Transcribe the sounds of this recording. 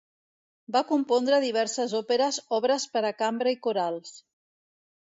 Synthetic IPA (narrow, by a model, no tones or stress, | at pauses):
bakumpɔnd̪ɾəðiβ̞ɛɾsəzɔpeɾəzɔβɾəspəɾəkambɾəikuɾalˠs